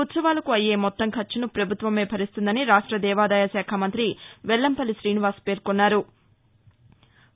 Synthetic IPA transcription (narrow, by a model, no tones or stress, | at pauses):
ut̪sɐʋaːlɐkuɐjːeːmɔt̪ːɐŋkʰɐt͡ʃːinupɾɐbʱut̪ʋɐme̞ːpʰɐɾist̪und̪ɐniɾaːʂʈɾɐd̪ɛːʋaːd̪aːjɐsaːkʰamɐnt̪ɾiʋɛlːɐmpɐliʃɾiːniʋaːspeːɾkonːaːɾu